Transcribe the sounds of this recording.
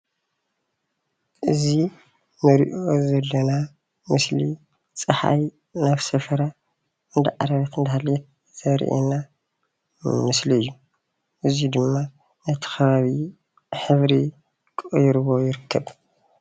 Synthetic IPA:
ʔɨzi | nɨɾḭʔozɐlːɐna | mɨsli | t͡sʼɨħa̰j | naβsɐfɐɾa | ɨnd̪aʕa̰ɾɐβɐt̪ɨnd̪ɐhalɛt̪̚ | z̥ɐɾ̰ʔḛna | mɨsliɨjːu | ʔɨzud̪ɨmːa | nɐt̪ʰi̥kʰɐβaβi | ħɨβɾi | kʼjɾβo̞jɪɾɨkʰːɐβ

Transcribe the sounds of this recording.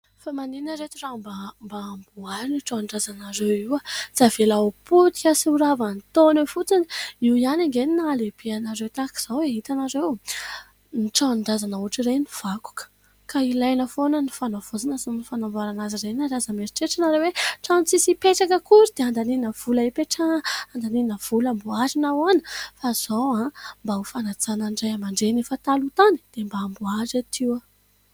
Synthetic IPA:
famaninəɾet̪irambambaːmbuaɾiniʈ͡ʂanɳɖ͡ʐazanaɾewiwət͡sav̥elaoput̪iasiuɾavant̪onefut͡siniiwjanaŋɡeninaaleb̥ianaɾewt̪aki̥z̥aweɦit̪anaɾew | niʈ͡ʂanɳɖ͡ʐazanauʈ͡ʂireniv̥aku̥kə̥ | kailajnəfonənifanav̥ozanasinifanambaɾanazireniaɾazameɾiʈ͡ʂeʈ͡ʂanaɾeweʈ͡ʂanit͡sisipeʈ͡ʂakəkuɾid̪eand̪aniinəv̥ulaipeʈ͡ʂaand̪aniinəv̥ulambuazinawanəfaz̥awãmbaufanat͡sananɖ͡ʐajamaɳɖ͡ʐenefət̪alut̪ani̥d̪̥embaːmbuazat̪ʰiwə

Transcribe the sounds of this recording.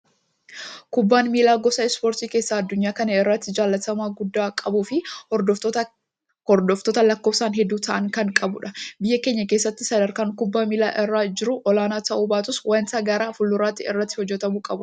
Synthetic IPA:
kʊbːaːnmiːlaːɡɔsɐɪspoːɾt̪iːke̞ːsːaːɐd̪ːʊɲːaːkɐnɐɪrːɐt̪ːɪd͡ʒaːlːɐt̪ɐmaːɡʊd̪ːaːkʼɐbuːfɪɔd̪ɔ | ɔɾd̪ɔft̪ɔt̪ɐlɐkːoːbsaːnɦɛd̪ːuːt̪ʰɐʔɐŋkɐŋkʼɐbʊᶑɐbɪjːɐke̞ːɲːɐke̞ːsːɐt̪ːɪsɐd̪ɐɾkaːŋkʊbːaːmiːlaːʔɪrːaːd͡ʒɪɾʊʔɔlaːnaːt̪ɐʔuːbaːt̪ʊswɐnt̪ɐːɡɐɾaːfʊlːʊɾaːt̪ːɪɪ̰rːɐt̪ːɪ̥hɔd͡ʒːɛt̪ɐmuːkʼɐbʊ

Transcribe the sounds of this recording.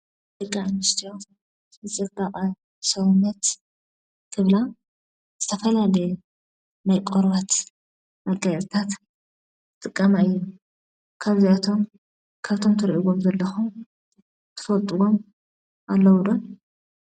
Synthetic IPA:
d̪ɨkʼːaɨnɨst̪ʰijo | zɨt͡sʼɨɡaqʼɐ | sɐwunːɐt̪ | kʰɨβla | z̥ɨt̪ʰɐfɐlalɐj | najkʼoɾβat̪ | mɐɡajɾt̪ʰat̪ | t̪ʼɨkʼːɐmaɨjːu | kʰaβziat̪ʰo̞m | kʰaβt̪ʰo̞mt̪ʰɨɾiʔuɡomzɐlːɐxum | t̪ʰɨ̥fɐlt̪ʼuɡo̞m | ʔalːɐwd̪om

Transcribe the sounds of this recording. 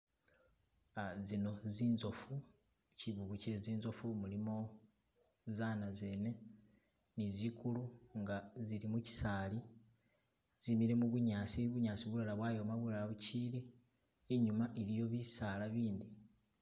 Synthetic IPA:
azino̞ziːnzo̞fu | ciβuɡuceziːnzo̞fumulimo̞ | zanaze̞ːne̞ | nizikuluŋɡaziɾimuci̥saːli | z̥imiɾe̞muβuɲaːsiβuɲaːsiβulalaβwaːjo̞maβulalaβuciːliː | ɲumaʔeɾijo̞βisaːlaβiːnd̪i

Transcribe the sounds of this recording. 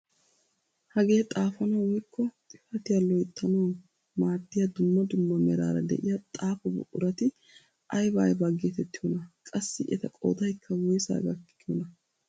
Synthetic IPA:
hɐɡe̞ːt̪ʼaːfɐnɐwwɪkʰːɔt̪ʼɪfɐt̪ɪjɐlɔjt̪ʰːɐnown | maːt̪ːɪjɐd̪ʊmːɐd̪ʊmːɐmɛɾa̰ːɾɐ̰d̪ɛ̰ʔɪjɐt̪ʼaːfɔbɔ̰ʔʊɾɐt̪ɪ | ʔɐjbaːjbɐɡeːt̪ɛt̪ːɪjɔnɐkʼɐsːɪʔɛt̪ɐkʼo̰ːd̪ɐjkʰːɐwɔjsa̰ːɡɐkːɪ̥kːɪɔnɐ

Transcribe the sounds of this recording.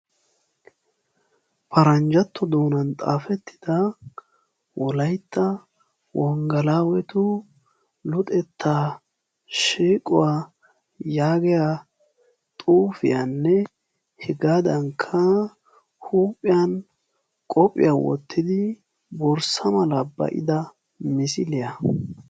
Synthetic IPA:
pʰɐɾɐnd͡ʒɐt̪ːɔd̪oːnɐnt̪ʼa̰ːfɛt̪ːɪ̥d̪̥ɐ | wɔlɐjt̪ːɐ | wɔŋɡɐlaːwɛt̪ʊ | lʊt̪ʼɛt̪ʰːa | ʃiːkʼʊwa | jaːɡɛja | t̪ʼuːfɪ̰janːɛ | hɛɡaːd̪ɐŋkʰːɐ | huːpʼːɪjɐn | kʼɔpʼːɪ̰jawɔ̰t̪ːɪd̪ɪ | bɔɾsɐmɐlɐbɐ̰ʔɪ̰d̪ɐ | mɪsɪlɪjɐ

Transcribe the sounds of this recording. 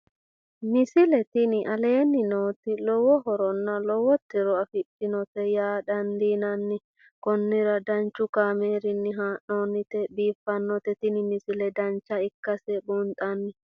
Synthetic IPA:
mɪsɪlɛt̪ɪnɪʔɐle̞ːnːɪnoːt̪ɪlɔwɔɦɔɾɔnːɐlɔwɔt̪ːɪɾɔɐfɪtːɪnɔt̪ɛjaːd̪ɐnd̪iːnɐnːɪ | kɔnːɪɾɐd̪ɐnt͡ʃːʊkaːmeːɾɪnːɪɦaːʔoːnːɪt̪ɛbiːfːɐnːɔt̪ɛt̪ɪnɪmɪsɪlɛd̪ɐnt͡ʃːɐɪkːɐsɛbunt̪ʼɐnːɪ

